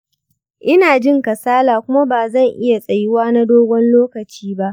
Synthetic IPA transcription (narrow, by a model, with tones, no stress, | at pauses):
ʔɪ˦naː˨d͡ʒɪ˦˨ŋkɐ˨saː˦laː˨kʷʊ˦ma˦baː˨zɐ˦˨ŋʔɪ˦ja˨sʼɐ˨jɪ˦waː˦na˦doː˦ɡʷɔ˦nloː˦kɐ˨t͡ʃiː˦ba˦ʔ